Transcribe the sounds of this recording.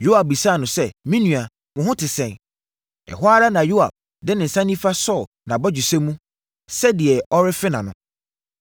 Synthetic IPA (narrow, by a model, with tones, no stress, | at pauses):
ju˦a˨b̚bi˨sa˦˨nʊ̃˨sɛ˦mĩ˦nũ˨a˨ | mʊ̃˨ɦʊ̃˦tʰɪ˨sɛ̃˨n | ɛ̰˨ɦʊ˦a˦ɾa˦nã˨ju˦a˨b̚ | dɪ˦nɪ̃˨n̩˨sã˦nĩ˦fa˦sɔ˦˨ | nã˨bɔ˦d͡ʑu˨sɛ˦mũ˦ | sɛ˦di˨ɛ˨ɔ˦ɾɪ˦fɪ˦nã˨nʊ̃˦